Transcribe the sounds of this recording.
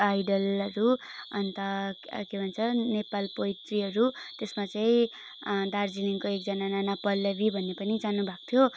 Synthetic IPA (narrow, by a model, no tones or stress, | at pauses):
ajɖʌlʌɾuʌ̰nt̪ʌkebʱʌnt͡sʰʌnepalpʌjt̪riʌɾut̪esmat͡saĩ | d̪ard͡ziniŋkoek̚d͡zʌnananapʌlːʌbibʱʌnːepʌnid͡zanubʱak̚t̪ʰjo